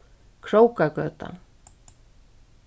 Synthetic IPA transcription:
kʰɾowkakœːt̪a̰

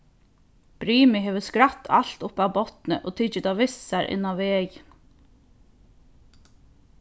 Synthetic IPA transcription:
b̥ɾiːmɪɦeːʋəskɾat̪ʰːa̰lt̪ʊpawbɔt̪nə̰ʔoːt̪ʰɪt͡ʃət̪aːʋɪsaɾʔɪ̰nːaʋeːj

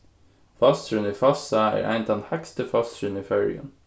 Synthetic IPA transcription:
fɑst̪ʃʉniːfɑsɑæ̰ːɾʔæ̰ɪnt̪d̪ɛnhækst̪əfɑst̪ʃʉnifœɹɪ̰ə̰n

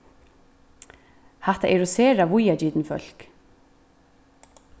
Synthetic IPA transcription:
hɛht̪aʔɛɾɔseːɾaʋʊjad͡ʒiːt̪nfœ̰l̥k

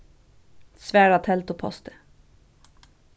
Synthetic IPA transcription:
svæːɾat̪ʰɛlt̪ɔpʰɔ̰st̪ə̥

